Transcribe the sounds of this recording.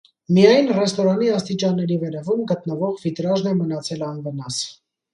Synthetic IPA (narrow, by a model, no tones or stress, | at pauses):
mijɑjnrɛst̪ɔɾɑniɑst̪it͡ʃɑnːɛɾivɛɾɛvumɡət̪nəvɔʁvit̪ɾɑʒnɛmənɑt͡sʰɛlɑnvənɑs